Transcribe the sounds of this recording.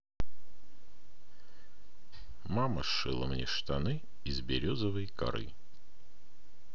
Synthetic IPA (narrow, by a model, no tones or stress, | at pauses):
mamə̰ʂɨlˠə̰mnʲeʂt̪ɐnɨ | ɪzbʲɪɾʲozəvəjkɐ̰ɾɨ̰